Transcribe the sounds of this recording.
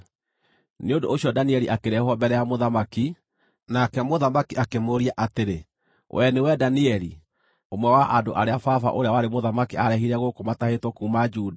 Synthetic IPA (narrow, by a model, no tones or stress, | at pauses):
neondoːɕiɔdaniɛɾiʔakeɾɛhwɔbɛɾɛjamoðamaki | nakɛmoðamakiʔakemoɾiaʔateɾe | wʔɛnewɛdaniɛɾi | omwɛwaʔadoʔaɾeafafa̰ʔoɾeawaɾemoðamakiaɾɛɦiɾɛɣokomatahetwɔkuːmad͡ʒuːda